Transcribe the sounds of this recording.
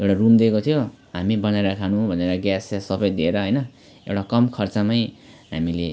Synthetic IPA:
ewʈarumd̪ekot̪ʰijo | ɦamibʌnaeɾʌkʰanũbʱʌneɾʌɡjasasʌbʌjd̪ieɾʌɦʌjnʌ | ewʈakʌmkʰʌrt͡samajɦamile

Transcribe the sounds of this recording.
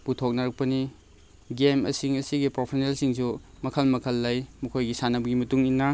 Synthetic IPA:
putʰok̚nɐɾɐk̚pɐni | ɡemɐ̰siŋɐsiɡipɾopʰesnelsiŋsu | mɐkʰɐlmɐkʰɐlːajmɐkʰojɡisanɐbɐɡimɐtuŋinːɐ

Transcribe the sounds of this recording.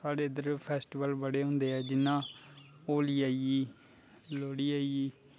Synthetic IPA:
saːɽeːd̪əɾpʰɛːsʈiʋəlbəɽeːɦʊ̃ːnd̪eːɛːd͡ʒɪnːãː | oːliːaːiiː | loːɽiːaːiiː

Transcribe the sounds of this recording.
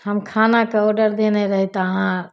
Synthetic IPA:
həmkʰanakeɔɖəɾd̪eneɾəɦit̪əɦã

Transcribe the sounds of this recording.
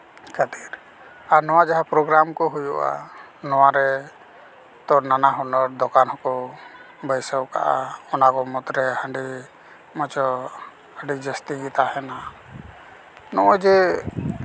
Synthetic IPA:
kʰət̪iɾ | aɾnɔwad͡ʒaɦapɾɔɡɾamkɔɦujṵʔa̰ | nɔwaɾɛ | t̪ɔɾnanaɦɔnɔɾd̪ɔkanɦɔkɔ | bəjsəwka̰ʔa̰ɔnakɔmɔt̪ɾɛhəɳɖi | mɔt͡ʃɔ | əɖid͡ʒəst̪iɡit̪ahɛna | nɔʔɔd͡ʒɛ

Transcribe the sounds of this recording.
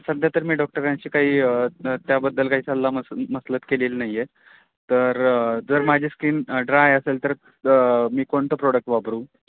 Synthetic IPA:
səd̪ʱjat̪əɾmiːɖɔk̚ʈəɾãɲt͡ɕiːkaɦiːt̪jabəd̪ːəlkaɦiːsallaməməslət̪keliːlnaɦjːe | t̪əɾd͡zəɾmad͡ʑʱiːskiːnɖɾajəselt̪əɾ | miːkoɳt̪əpɾɔɽək̚ʈʋabʱɾuː

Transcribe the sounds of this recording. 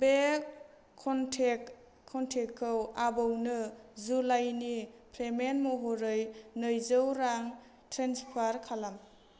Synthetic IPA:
bekʰː | ɔntʰekʰː | ɔntʰekʰːɯwabɯwnɯzulajnipʰɾemenmoɦoɾɯjnɯjzɯwɾaŋ | tʰɾenspʰaɾkʰalam

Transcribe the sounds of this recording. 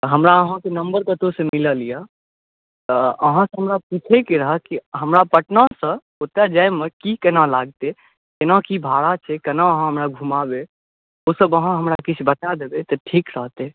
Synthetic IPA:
ɦəmɾaəɦãkenəmbəɾk̪ət̪osəmiləlijə | t̪əəɦãsə̃ɦəmɾapit͡ʃʰekeɾəɦəkiɦəmɾapəʈnasə̃ | ot̪ad͡ʒaemekikənãlaɡ̚t̪e | kenãkibʱaɽat͡ʃʰɛkənaəɦãɦəmɾaɡʱumabe | osəbəɦãɦəmɾakit͡ʃʰbət̪ad̪ebet̪ɔʈʰikɾəɦt̪e

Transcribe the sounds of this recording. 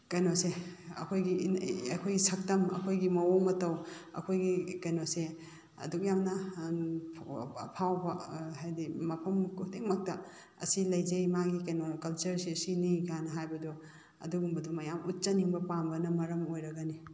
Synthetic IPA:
kɐjnoseɐ̰kʰojɡiɐkʰojɡisɐk̚tɐmɐ̰kʰojɡimɐwoŋmɐtɐwɐ̰kʰojɡikɐjnose | ɐ̰duk̚jamnɐ | pʰːpʰawbɐɦajdimɐpʰɐmkʰuteŋmɐk̚tɐ | ɐ̰silɐjd͡ʒɐjmaɡikɐjnokɐlt͡ʃɐɾsiɐsiniɡanɐɦajbɐdɔ | ɐ̰duɡumbɐdɔmɐjamut̚t͡ʃɐniŋbɐpambɐnɐmɐɾɐmojɾɐɡɐni

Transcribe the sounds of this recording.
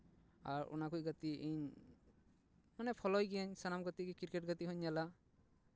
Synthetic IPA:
aɾɔ̰nakucɡat̪iʔiɲ | manɛpʰɔlɔjɡɛaɲsanamɡat̪ikɛkiɾkɛʈ̚ɡat̪iɦɔɲːala

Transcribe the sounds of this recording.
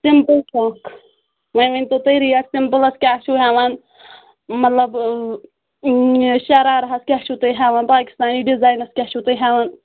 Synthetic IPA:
simpəlsɐk | ʋeːʋɐnʲt̪ot̪ɐːɾijassimpəlɐskʲaːʃuɦaːʋan | mɐt̪lɐb | ʃɐɾaːɾɐɦɐskʲaːʃut̪ɐjɦaːʋaːnpaːki̥st̪aːniːɖizaːjnɐskʲaːt͡ʃʰut̪ɐjɦaːʋaːn

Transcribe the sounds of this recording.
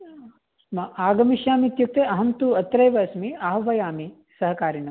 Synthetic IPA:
mɐʔaːɡɐmiʃjaːmit̪juk̚t̪eɐɦɐmt̪uɐt̪ɾɐjʋɐsmiaːɦʋɐjaːmi | sɐɦɐkaːɾɐɳɐm

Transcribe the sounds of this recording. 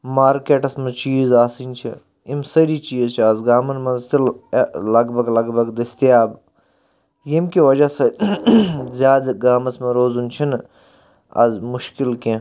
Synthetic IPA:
maːɾkeːʈɐsmɐt͡ʃiːzaːsinʲt͡ʃʰḭ | imsɐɾiːt͡ʃiːzt͡ʃʰiɐzɡaːmɐnmɐnst̪illɐɡbʱɐɡlɐɡbɐɡd̪ɐst̪ijaːb | jimkiʋɐd͡ʒasɐ | zʲjaːd̪ɡaːmɐsmɐɾoːzunt͡ʃʰin | ɐ̰zmuʃkilkẽ

